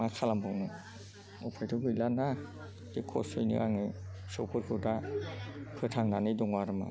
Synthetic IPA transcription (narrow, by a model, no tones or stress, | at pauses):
akʰalambɯŋnɯ | ɔpʰajtʰɯɡɯjlana | dikʰɔ̰sɯjnɯ̰aŋɯsɔwpʰɯɾkʰɯda | pʰɯtʰaŋnanɯjdɔŋwaɾɯma̰